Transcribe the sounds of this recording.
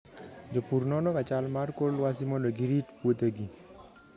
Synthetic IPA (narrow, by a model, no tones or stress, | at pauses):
d͡ʒopuɾnɔnɔkat͡ʃalmarkolwas̬imɔloɡiɾitpwot̪eɡi